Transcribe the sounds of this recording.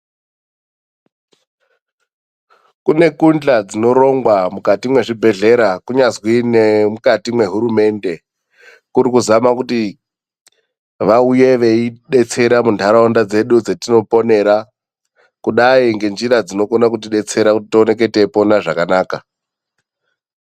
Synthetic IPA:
kune̞kund͡ɮad͡zino̞ɾo̞ŋɡwamukatimwe̞ʐibʱe̞ɮe̞ɾakuɲazwinemukatimwe̞ɦuɾume̞nde̞ | kuɾikuzamakuti | ʋauje̞ʋe̞iɗe̞t͡se̞ɾamuntʰaɾaondad͡ze̞ɗud͡zetino̞po̞ne̞ɾa | kuɗaiŋɡe̞nd͡ʒiɾad͡zino̞konak̬ut̬iɗe̞t͡se̞ɾakutitione̞k̬e̞te̞po̞naʐakanaːka

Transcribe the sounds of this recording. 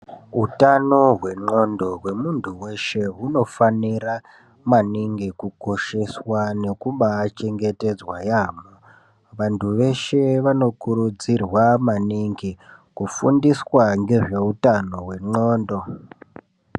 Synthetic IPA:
ɦutanoɦwe̞ŋ͡ǃo̞ndo̞ɦwe̞muntʰuwe̞ʃe̞ɦuno̞fanira | maniŋɡikuko̞ʃe̞swane̞kuɓaːt͡ʃe̞ŋɡe̞te̞d͡zwajaːmo | ʋantʰuʋe̞ʃe̞ʋano̞kuɾud͡zirwamaniŋɡikufundiswaŋɡe̞ʐe̞utano̞ɦwe̞ŋ͡ǃoːndo̞

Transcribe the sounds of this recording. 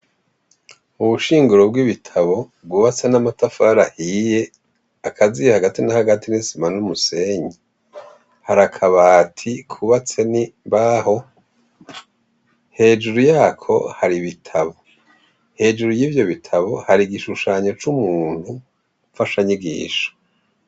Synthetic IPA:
uβuʃiːŋɡuɾo̞b̚ɡiβitʰaβo̞bɡuβat͡senamatafaɾahije̞ | akʰazijehaɡatinahaɡatinisimanumuse̞ɲi | haɾakʰaβatʰikʰuβat͡se̞nibaːho̞ | he̞ːd͡ʒuɾujaːkʰo̞̰haɾiβitʰaβo̞ | he̞ːd͡ʒuɾujiːvjo̞βitʰaβo̞haɾiɡiʃuʃaːɲo̞t͡ʃumuːn̥hu | ɱfaʃaɲiɡḭːʃo̥

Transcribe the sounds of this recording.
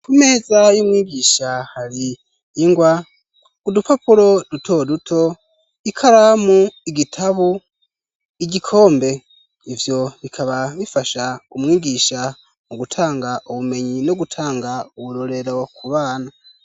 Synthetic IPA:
kume̞ːzajumŋiːɟiʃahaɾiː | ŋɡwa | udupʰapuɾo̞dutʰo̞dutʰo̞ | ikʰaɾamuiɡitʰaβu | iɟikʰo̞ːmbe̞ | ivjo̞βikʰaβaβifaʃaumŋiːɡiʃa | moɡutʰaːŋɡaʔuβume̞ɲinoɡutʰaːŋɡauβuɾo̞ɾe̞ɾo̞kʰuβaːna

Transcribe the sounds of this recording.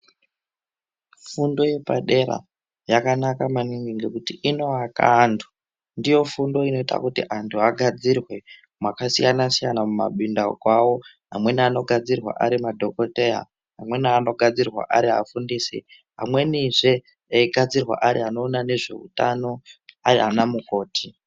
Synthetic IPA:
fundo̞je̞paɗe̞ɾa̰ | jakanakamaniŋɡiŋɡekutiʔino̞aka̰ːntʰu̥ | ndijo̞fundo̞ino̞ita̰kutiʔantʰuaɡʱad͡zirwe̞ | mwakasijanasijanamuma̰ɓindakwawo̞ | ɦamwe̞niano̞ɡʱad͡zirwa̰ʔaɾimadʱo̞ko̞te̞ja̰ | ɦamwe̞nːno̞ɡʱad͡zirwa̰ʔaɾia̰fundisi | ɦa̰mwe̞niʐe̞ | eiɡʱad͡zirwa̰ʔaɾḭano̞ːnane̞ʐe̞̰ṵtano̞aɾianamuko̞ːtʰi

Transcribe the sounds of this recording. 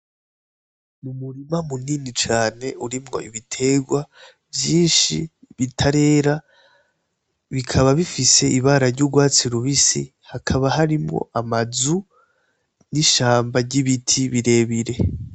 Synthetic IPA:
mumuɾimamuninit͡ʃaːne̞ʔuɾimŋo̞ʔḭβitʰe̞ɡwa | vjiːnʃi | βitʰaɾe̞ːɾa | βikʰaβaβifise̞ʔiβaːɾaɾɟuɡwaːt͡siɾuβisḭ | hakʰaβaɦaɾimŋo̞̰ʔamazu | niʃaːmbaɾɟiβitʰiβiɾe̞ːβiɾe̞

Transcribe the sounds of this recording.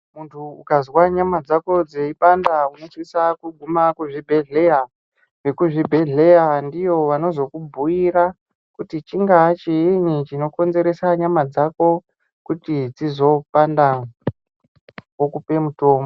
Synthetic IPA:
muntʰuukazwaɲamad͡zako̞d͡zeipandauno̞swisakuɡʱumakuʐibʱe̞ɮe̞ja | ʋe̞kuʐibʱe̞ɮe̞jandijo̞ʋano̞zo̞kubʱuiɾa | kutit͡ʃiŋɡaːt͡ʃiinit͡ʃino̞ko̞nze̞ɾe̞saɲamad͡zako̞ | kutit͡sizo̞panda | kokupe̞muto̞ːmo

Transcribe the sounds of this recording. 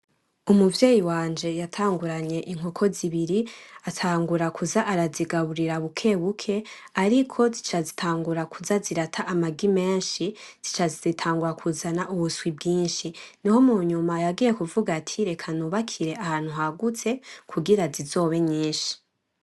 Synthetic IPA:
umuvje̞ːjiwaːnd͡ʒe̞jatʰaːŋɡuɾaɲe̞ʔiŋ̥okʰo̞ziβiɾiatʰaːŋɡuɾakʰuzaʔaɾaziɡaβuɾiɾaβukʰe̞βukʰe̞ | aɾikʰo̞zit͡ʃazitʰaːŋɡuɾakʰuzaziɾatʰaʔamaɡime̞ːnʃiz̥it͡ʃazizitʰaːŋɡuɾakʰuzanaʔuβuswib̚ɡiːnʃiniho̞muɲumajaɡiːje̞kuvuɡatʰiɾe̞kʰanuβakʰiɾe̞ahaːn̥huɦaɡut͡se̞kʰuɡiɾazizo̞ːβe̞ɲiːnʃi̥

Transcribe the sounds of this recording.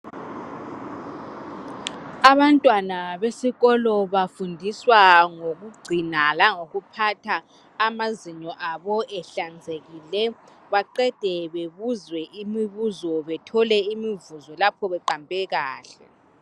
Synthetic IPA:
aβantʼwanaβesiɣɔlɔβafundʱiswaŋoɣuɡ͡ǀʱinalaŋoɣupʰatʰaː | maziɲɔʔaβɔʔɛɬand͡zʱeɣilɛ | βaǃɛd̥ʱɛβeβuzwɛʔimiβuzɔβɛtʰɔlɛimivuzɔlapʰɔβɛǃampʼɛɣaːɬɛ

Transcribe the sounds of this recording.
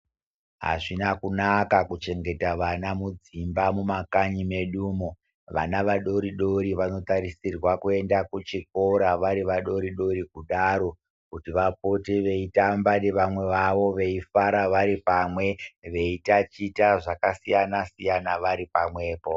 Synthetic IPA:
ɦa̰ʐinakunakakut͡ʃe̞ŋɡe̞taʋanamud͡zimbamumakaɲime̞ɗuːmo | ʋanaʋaɗo̞ɾiɗo̞ɾiʋano̞taɾisirwakue̞ndakut͡ʃik̚o̞ɾaʋaɾiʋaɗo̞ɾiɗo̞ɾikuɗaɾo̞ | kutiʋap̚o̞tiʋe̞itambaneʋamwe̞ʋaʋo̞ʋe̞ifaɾaʋaɾipamwe̞ʋe̞itat͡ʃitaʐakasijanasijanaʋaɾipamwe̞ːpo̞

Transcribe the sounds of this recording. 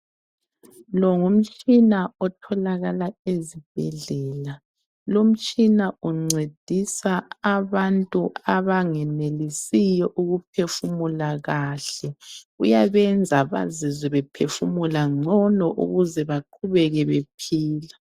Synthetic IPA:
lɔŋum̩t͡ʃʼinaɔtʰɔlaɣalaezib̥̚ʱɛɮɛːla | lom̩t͡ʃʼinauŋ͡ǀed̥ʱisaaβantʼuaβaŋɛnelisijɔʔuɣup̚ʰefumulaɣaɬɛ | ujaβɛnd͡zʱaβa̰zizɛβɛpʰefumulaŋ͡ǀʱɔnɔʔṵɣuzɛβaǃʰuβɛɣɛβepʰiːla

